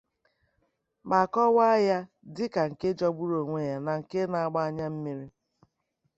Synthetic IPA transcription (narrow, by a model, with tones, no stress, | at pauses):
ma˨kɔ˦wa˦ja˦ | dɪ˦ka˨ŋ̩˨ke˦d͡ʒɔ˦ɡ͡bu˦ɾo˨ŋʷe˦ja˨na˨ŋ̩˨ke˦na˨a˦ɡ͡ba˦a˦ɲa˦m̩˦mi˦ɾi˦